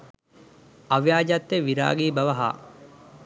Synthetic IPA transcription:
ɐʋjaːd͡ʒat̪ːeʋiɾa̰ːɡiːbɐʋɐɦa̰ː

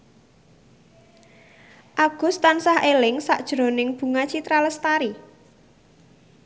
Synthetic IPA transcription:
ʔaɡ̥ʊ̤st̪ansahʔelɪŋsaʔd̥ʒ̥ɾo̤nɪŋb̥ṳŋat͡ʃit̪ɾaləst̪aɾi

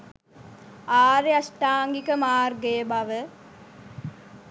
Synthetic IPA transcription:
aːɾeɐsʈaːŋɡikəmaːrɡeːbɐʋə

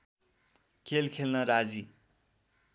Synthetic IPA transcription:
kʰelkʰelnʌɾad͡zi

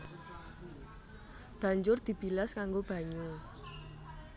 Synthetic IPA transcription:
b̥a̤ɲd͡ʒʊrd̪̥i̤b̥ilaskaŋɡob̥ä̤ɲu

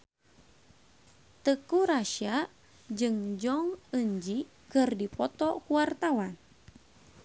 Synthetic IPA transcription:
t̪əkuɾaʃia | d͡ʒɨŋd͡ʒɔŋəɲd͡ʒi | kɨrdipɔt̪ɔkuwart̪awan

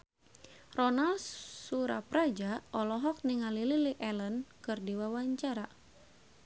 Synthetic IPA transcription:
rɔnalsuɾa̰pɾad͡ʒaɔlɔɦɔk̚niŋalililiʔɛlənkɨrdiwawaɲt͡ʃaɾa

